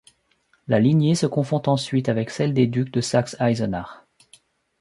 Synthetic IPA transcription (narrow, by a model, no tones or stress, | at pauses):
lalinjesəkɔ̃fɔ̃t̪ɑ̃sɥit̪avɛksɛld̪ed̪yk̚d̪əsaksajzɔnaʁ